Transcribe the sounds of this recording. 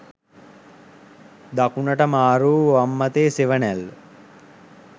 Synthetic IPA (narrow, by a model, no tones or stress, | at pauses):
d̪akunəʈəmaːɾuːʋamːɐt̪eːseʋənæl